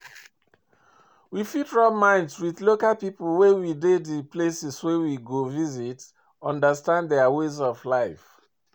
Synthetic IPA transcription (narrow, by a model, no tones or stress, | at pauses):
wifitɹamãɪ̃ndswiðlokalpipl̩wɛwidediplesɛswɛwiɡovizit | ɔ̃ndəstãndðɛawezɔvlaɪf